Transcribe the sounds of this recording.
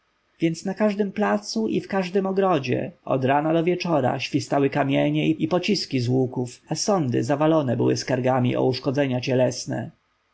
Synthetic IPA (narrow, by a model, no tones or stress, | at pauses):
vʲjɛnt̪snakaʐd̪ɘmplat̪suʔifkaʐd̪ɘmɔɡɾɔd͡ʑɛ̰ɔ̰d̪ɾanad̪ɔvʲjɛt͡ʂɔɾa̰ɕfʲist̪awɘkamʲjɛɲɛiipɔt͡ɕiskʲizwukufasɔnd̪ɘ̰zavalɔnɛbɘ̰wɘ̰skaɾɡamʲḭʔɔ̰uʂkɔd̪zɛɲat͡ɕɛlɛsnɛ̰